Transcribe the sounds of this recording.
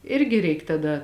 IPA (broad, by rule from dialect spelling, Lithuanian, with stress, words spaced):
ˈɪrʲɡʲɪ ˈrʲɛɪk tɐˈdɐ